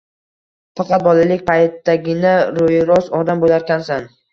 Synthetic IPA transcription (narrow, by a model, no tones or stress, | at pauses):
fɑqɑt̪̚bɒlˠalɪkʲpʰajt̪ːaɡʲɪnaɾojɾɒsɒɾd̪ambolaɾkʲansan